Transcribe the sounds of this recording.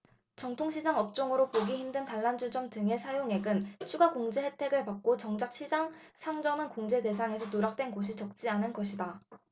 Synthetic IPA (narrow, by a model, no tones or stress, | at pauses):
t͡ɕʌŋtʰoŋɕʰid͡ʑaŋʌp̚t͡ɕ͈oŋɯɾopoɡiɦimdɯntaɭːand͡ʑud͡ʑʌŋt͡ɕɯŋe̞sʰajoŋe̞ɡɯnt͡ɕʰuɡakoŋd͡ʑe̞he̞tʰe̞ɡɯɭpak̚k͈ot͡ɕʌŋd͡ʑak̚ɕʰid͡ʑaŋsʰaŋd͡ʑʌmɯnkoŋd͡ʑe̞de̞s̬ʰaŋe̞sʰʌnoɾak̚t͈we̞nɡoɕ̬ʰit͡ɕʌk̚t͡ɕ͈ianɯnɡʌɕʰida